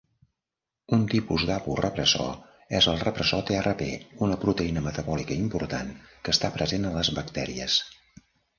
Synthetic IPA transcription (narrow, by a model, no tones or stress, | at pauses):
unt̪ipuzd̪apurəpɾəsɔ̰ | ɛzəlˠrəpɾəsɔt̪earʔəpeunəpɾut̪əinəmət̪əβɔlikəimpuɾt̪ankəst̪apɾəzenələzβəkt̪ɛɾiəs